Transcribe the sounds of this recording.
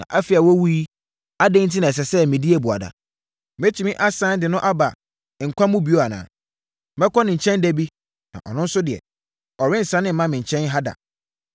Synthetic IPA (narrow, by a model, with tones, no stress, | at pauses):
nã̰˨ʔa˦fi˨a˨wɔ˦wu˦i˦ | a˦dẽ˦n̩˦tʰi˦nã˨ɛ˨s̬ɛ˨sɛ˦mɪ̃˨di˦e˦˨bʊ˨a̰˨da̰˨ | me˦t͡ɕʰi˨mĩ˦ʔa˦sã˦n˦dɪ˨nʊ̃˦ʔa˦ba˨ | ŋ̩˨kʷʰa˦mũ˦bi˨o˦a˨nã̰ː˨ | mɛ˦kʰɔ˦nɪ̃˨ɲ̩˨t͡ɕʰɛ̃˦ndæ˦bi˦ | nã̰˨ʔɔ̰˨nʊ̃˦n̩˦sʊ˦dɪ˨ɛ̰˨ | ɔ˨ɾɪ̃˦n̩˨sã˦nɪ̃˦m̩˦mã˦mɪ̃˨ɲ̩˨t͡ɕʰɛ̃˦nɦa˦da̰˨